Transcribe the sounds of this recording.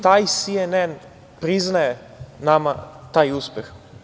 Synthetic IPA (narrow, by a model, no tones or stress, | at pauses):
t̪aːjsienen | pɾiznaje | namat̪aːjuspʲjex